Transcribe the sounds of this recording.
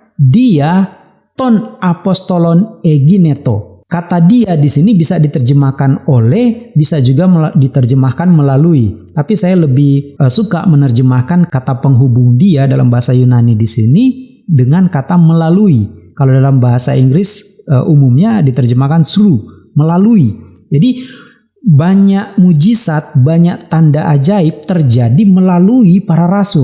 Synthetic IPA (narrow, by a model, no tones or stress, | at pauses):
dia | t̪ɔnapɔst̪olɔneɡinet̪o | kat̪adiadisinibisadit̪ərd͡ʒəmakanolɛhbisad͡ʒuɡadit̪ərd͡ʒəmahkanməlaluit̪apisajaləbɪhəsuka̰mənərd͡ʒəmahkankat̪apəŋɦubuŋdiadalambaɦasajunanidisini | dəŋankat̪aməlaluikalodalambaɦasa̰iŋɡɾɪsə̰ʔumumɲadit̪ərd͡ʒəmahkansɾu | məlalui | d͡ʒadi | baɲaʔ̚mud͡ʒisat̪̚baɲaʔt̪andaʔad͡ʒaɪp̚t̪ərd͡ʒadiməlaluipaɾaɾasʊ